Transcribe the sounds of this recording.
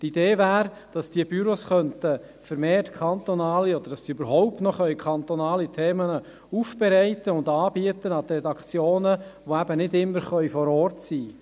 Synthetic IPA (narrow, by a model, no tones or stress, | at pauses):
t̪id̥eːvæːɾ | d̥ɑsd̥iəbyɾosχœntə | fəɾmeːrtkʰɑnt̪ɔnɑːliɔd̪əɾd̥ɑsiøbəɾɦɔʊp̚tnɔχœʏkʰɑnt̪ɔnɑːlitʰeːmənə | ufb̥ɛɾɛɪt̪əʊnd̪ɑːbiət̪ənɑt̪ɾɛdɑkt͡sjoːnəʋoæbənɪdɪmːəɾχœʏɥfɔɾɔːɾtsiː